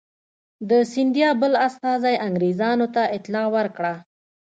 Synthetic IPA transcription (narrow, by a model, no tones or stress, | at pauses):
d̪əsɪnd̪jɑbəlast̪ɑzajaŋɡɾezɑnot̪aɪt̪lɑwəɾkɽa